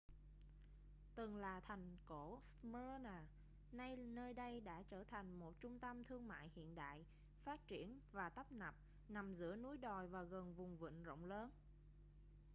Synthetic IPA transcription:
t̪ɨ˨˩ŋlaː˨˩t̪ʰa˨˩jŋ̟ko˧˩smə˧naː˨˩ | na˧jnəː˧jɗə˧jɗa̰ː˧˥t͡ɕəː˧˩t̪ʰa˨˩jŋ̟mo˨˩t̚t͡ɕʊ˧ŋ͡mt̪ə˧mt̪ʰɨ˧əŋma̰ː˧˨jhḭ˧˨ənɗa̰ː˧˨j | faː˦˥t̚t͡ɕi˧˩ənvaː˨˩t̪ə˦˥p̚na˨˩p̚ | na˨˩mzɨ̰˧˥ənu˨˦jɗɔ˨˩jvaː˨˩ɣə˨˩nvʊ˨˩ŋ͡mvɨ̰˧˨nzo̰˧˨wŋ͡mləː˨˦n

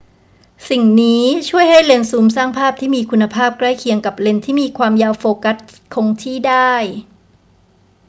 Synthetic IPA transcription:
si˨˩ŋniː˦˥t͡ɕʰu˥˩əjɦha˥˩jle˧nsuː˩˦msaː˥˩ŋpʰaː˥˩p̚t̪ʰiː˥˩miː˧kʰu˧nːa˧pʰaː˥˩p̚kɾa˥˩jkʰi˨˧əŋka˨˩p̚le˧nt̪ʰiː˥˩miː˧kʰwaː˧mjaː˧wfoː˧ka˦˥t̪̚kʰo˧ŋt̪ʰiː˥˩daː˥˩j

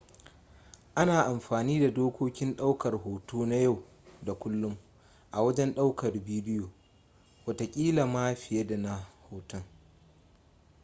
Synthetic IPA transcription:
ʔa˦naː˨ʔa˨mɸaː˨niː˦da˨doː˦kʷoː˦kʲɪ˦nɗa˦wkɐ˨rɦoː˨toː˦na˦ja˦˨w | da˨kʷʊ˦lːʊ˦m | ʔa˨wɐ˦d͡ʒɛ˦nɗa˦wkɐ˨rbiː˦dɪ˦joː˨ | wɐ˨ta˨kʲʼiː˦la˨maː˦ɸɪ˨je˦da˨na˦hoː˨tɔ˦ŋ

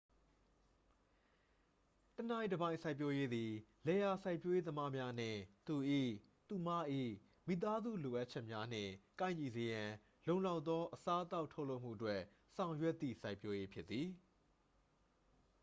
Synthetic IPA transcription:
təna˨ĩ˨dəbã˨ɪ̃˨sʰa˦ɪpjo˦je˦d̪i˨lɛ˨ja˨sʰa˦ɪpjo˦je˦d̪əma˦mja˦n̥ɪ̰̃˦˨t̪u˨ʔḭ˦˨ | t̪u˨ma˦ʔḭ˦˨ | mi˨t̪a˦zṵ˦˨lo˨ʔa˦t̚t͡ɕʰɛ˦ʔmja˦n̥ɪ̰̃˦˨kã˦˨ɪ̃ɲi˨ze˨jã˨ | lõ˨ʊ̃la˦ʊt̪ːɔ˦ʔəsa˦ʔət̪a˦ʊʔtʰo˦ʊʔlo˦ʊʔm̥ṵ˦˨ʔətwɛ˦ʔ | sã˨ʊ̃jwɛ˦ʔt̪ːḭ˦˨sa˦ɪpjo˦je˦pʰjɪ˦t̪ːi˨

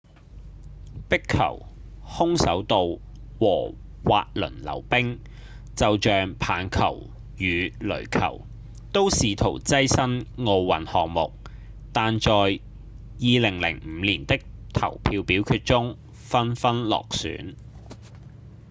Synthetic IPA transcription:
pɪ˥kʰːɐ̰˨˩w | hʊ˥ŋsɐ˨˥wt̪o˨w | wɔː˨˩ | wa̰ː˧t̚lɵ̰˨˩nlɐ̰˨˩wpɪ˥ŋ | t͡sɐ˨wt͡ʃœː˨ŋpʰaː˨˧nkʰɐ̰˨˩w | jyː˨˧lɵ̰˨˩ɥkʰɐ̰˨˩w | t̪o˥wsiː˨t̪ʰo̰˨˩wt͡sɐ˥jsɐ˥nŋo˧wːɐ˨nhɔː˨ŋ̚mʊ˨k̚ | t̪aː˨nt͡ʃɔː˨j | jiː˨lɪ˨˩ŋlɪ̰˨˩ŋ̩˨˧˦liː˨˩nt̪ɪ˥k̚t̪ʰɐ̰˨˩wpʰiː˧wpiː˨˥wkʰyː˧t̚t͡sʊ˥ŋ | fɐ˥nfɐ˥nlɔ̰ː˨k̚sy̰ː˨˥n

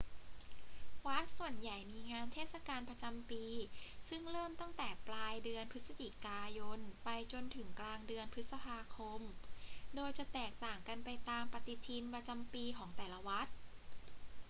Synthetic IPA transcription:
wa˦˥t̪̚su˨˩ənja˨˩jmiː˧ŋaː˧nt̪ʰeː˥˩t̪̚sa˧kaː˧npɾa˧t͡ɕa˧mpiː˧sɯ˥˩ŋɾɤː˥˩mt̪ɔ˥˩ŋt̪ɛː˨˩plaː˧jdɯ˧ənpʰɯ˦˥sa˧t͡ɕi˨˩kaː˧jo˧npa˧jt͡ɕo˧nt̪ʰɯ˩˦ŋklaː˧ŋdɯ˧ənpʰɯ˦˥t̪̚sa˧pʰaː˧kʰo˧mdoː˧jt͡ɕa˨˩t̪ɛː˨˩k̚t̪aː˨˩ŋka˧npa˧jt̪aː˧mpa˧t̪i˧t̪ʰi˧npɾa˧t͡ɕa˧mpiː˧kʰɔː˩˦ŋt̪ɛː˨˩la˧wa˦˥t̪̚

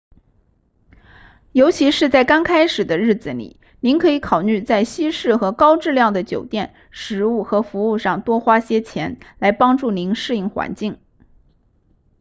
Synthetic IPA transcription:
jo˧˥ʊt͡ɕʰi˧˥ʂɻ̩˥˧t͡sa˥˩ɪka˥nkʰa˥ɪʂɻ̩˨˩d̪ə˦ɻɻ̩˥˩d͡zɹ̩˩lḭ˨˩˦ | ni˧˥nkʰɤ˧˥i˧˥kʰɑ˨˩ʊly˥˧t͡sa˥˩ɪɕi˥ʂɻ̩˥˩xɤ˧˥kɑ˥ʊʈ͡ʂɻ̩˥˧ljɑ˥˩ŋd̪ə˩t͡ɕjo˨˩ʊt̪jɛ˥˩n | ʂɻ̩˧˥u˥˩xɤ˧˥fu˧˥u˥˧ʂɑ˥˧ŋt̪wɔ˥xwa˥ɕjɛ˥t͡ɕʰjɛ˧˥nla˧˥ɪpɑ˥ŋʈ͡ʂu˥˩ni˧˥nʂɻ̩˥˧i˥˩ŋxwa̰˧˥nt͡ɕi˥˩ŋ

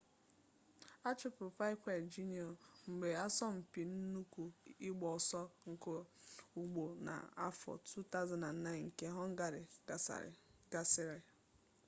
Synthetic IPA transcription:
a˦t͡ʃʊ˦pʊ˨fa˦ɪ˦kʷe˨d͡ʒi˦ni˨ɔ˨ŋ͡m̩˨ɡ͡be˨a˦sɔ˦m̩˨pi˨n̩˦nu˦kʷu˨ɪ˦ɡ͡bɔ˨sɔ˦ŋ̩˨ko˦u˨ɡ͡bo˨na̰˨a̰˦fɔ̰˨tʰu˦ta˦ʊza˨na˨n̩˨na˦ɪ˨ŋ̩˨ke˦ɦɔ˦ŋ̩˦ɡa˦ɾɪ̰˨ | ɡ̥a˨sɪ˦ɾɪ˨

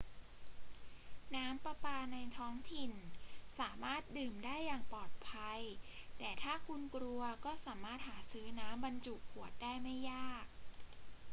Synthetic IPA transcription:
naː˦˥mpa˧paː˧na˧jt̪ʰɔː˦˥ŋt̪ʰi˨˩nsaː˩˦maː˥˩t̪̚dɯː˨˩mdaː˥˩jːaː˨˩ŋpɔː˨˩t̪̚pʰa˧jt̪ɛː˨˩t̪ʰaː˥˩kʰu˧nkɾu˧ɐkɔː˥˩saː˩˦maː˥˩t̪̚haː˩˦sɯː˦˥naː˦˥mba˧nt͡ɕu˨˩kʰːu˨˩ət̪̚daː˥˩jma˥˩jːaː˥˩k̚

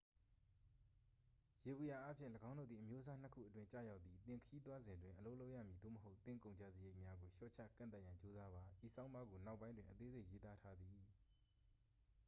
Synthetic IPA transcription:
je˨bu˨ja˨ʔa˦pʰjɪ̃˦˨ləɡã˦ʊ̃ndo̰˦˨d̪ði˨ʔəmjo˦ʔs̬a˦n̥ə˦kʰṵ˦˨ʔətwɪ̃˦ɲt͡ɕa̰˦˨ja˦ʊt̪ːi˨t̪ɪ̃˨ŋkʰəji˦t̪̬wa˦zɪ̃˨ndwɪ̃˨ʔəlo˦lo˦ʊʔja̰˦˨mji˨d̪o̰˦˨məɦo˦ʊʔt̪ɪ̃˦˨kõ˨ʊ̃ɲd͡ʑa̰˦˨zi˨je˦ɪʔmja˦ɡo˨ʃɔ̰˦˨t͡ɕʰä̰˦˨kã̰˦˨nt̪a˦ʔjã˨ɲt͡ɕo˦za˦ba˨ʔi˨sʰã˦ʊ̃mba˦ɡo˨na˦˨ʊpːã˦ɪ̃ndwɪ̃˨ʔət̪e˦ze˦ʔje˦t̪a˦tʰa˦d̪i˨

